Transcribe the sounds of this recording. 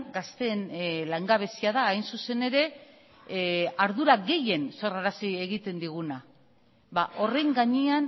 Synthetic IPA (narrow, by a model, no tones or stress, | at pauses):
ɡast̪e̞nlaŋɡaβ̞e̞siaðaːjnsuse̞ne̞ɾe̞ | aɾðuɾaɣe̞je̞nso̞raɾasie̞ɣ̞it̪e̞nd̪iɣuna | baʔo̞re̞ŋɡaɲean